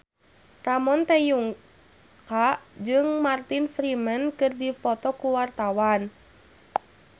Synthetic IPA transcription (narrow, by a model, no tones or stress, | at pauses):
tamɔnt̪ɛjuŋ | kaʔd͡ʒɨŋmart̪infɾimənkɨrdipɔt̪ɔkuwart̪awan